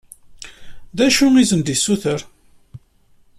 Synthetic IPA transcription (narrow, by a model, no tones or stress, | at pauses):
ðæʃuizənd̪isːuθəɾ